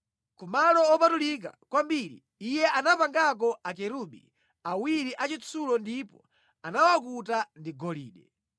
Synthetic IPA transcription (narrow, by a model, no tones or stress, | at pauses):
kumalɔɔpatulik̬a̰kwambiɾḭːjɛanapaŋɡak̬ɔakɛɾuɓḭ | awiɾiʔat͡ʃit͡sʰulɔndipɔ | anawakutandiɡɔlḭːɗɛ